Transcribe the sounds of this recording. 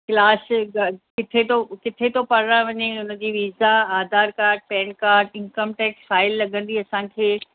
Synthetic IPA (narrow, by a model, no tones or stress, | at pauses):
klaːsɡɐkɪt̪ʰet̪okɪt̪ʰet̪opɐɾɽãʋɐɲeʊnə̆d͡ʑiːʋiːzaaːd̪ʱaːɾkaːɾɖ̚pɛ̃ːnkaːɾɖɪ̃nkəmʈɛːksfaːɪlːɐɡʱə̃nd̪iɐsãkʰeː